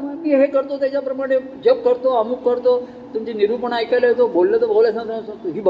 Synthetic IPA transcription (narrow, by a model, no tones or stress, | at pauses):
miːɦekəɾt̪ot̪jat͡ɕapɾəmaɽ̃e | d͡ʑeb̚kəɾ̚t̪oəmukːəɾt̪o | t̪umt͡ɕiniɾupəɳajkalaɦet̪obollet̪obʱolasãt̪ɦiːbə